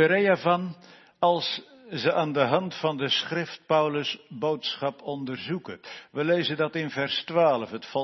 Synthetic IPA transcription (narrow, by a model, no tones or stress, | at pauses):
əɾejavɑn | ɑlˠs | zəʔaːndəɦɑntfɑndəsχrɪft̚pʌwləsbowtsχɑpɔndərzukəʋəlejzəndɑtɪnvɛrstʋaːləfətfɔ